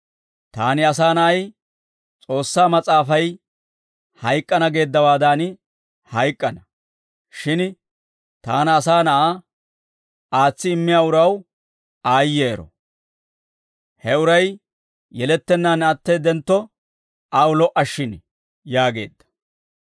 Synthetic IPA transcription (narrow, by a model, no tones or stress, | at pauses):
t̪aːnɪɐs̬aːnɐʔɐj | t͡sʼo̞ːsːaːmɐt͡sʼaːfɐj | hɐjkʼːɐnɐɡe̞ːd̪ːɐwaːd̪an | hɐjkʼːɐnɐ | ʃɪn | t̪aːnːsaːnɐʔaː | ʔaːt͡sːɪːmːɪjaːʊɾɐw | aːjːeːɾɔ̰ | hɛʊɾɐj | jɛlɛt̪ːɛnːaːnɐt̪ːɛd̪ɛnt̪ːɔ | awlɔʔɐʃːɪn | jaːɡe̞̰ːd̪ːɐ̥